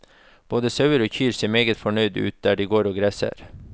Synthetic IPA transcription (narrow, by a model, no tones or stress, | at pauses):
b̥oːd̪əsɑʉəɾoːçyːɾseːɾmeːɡət̪fɔɳœʏd̪ʉ̰ːt̪̚d̪æːɖiːɡoːɾoːɡɾæsə̰ɾ